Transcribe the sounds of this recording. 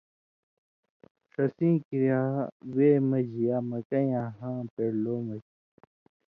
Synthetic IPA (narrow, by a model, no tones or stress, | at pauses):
ʂɐsĩːkiɾijaːweːmɐʑijaːmɐkɐjãːɦãːpeɽloːmɐk